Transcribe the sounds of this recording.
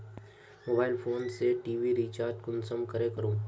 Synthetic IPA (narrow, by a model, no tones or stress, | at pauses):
moːbaːɪlfʰoːnseʈiːʋiɾiːt͡ʃaːɾt̪kʊnsəmkəɾẽkəɾũː